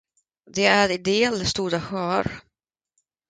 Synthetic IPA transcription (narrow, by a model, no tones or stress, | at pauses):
d̪ɛæɾɪd̪eːlst̪uːɾaɧœːɾ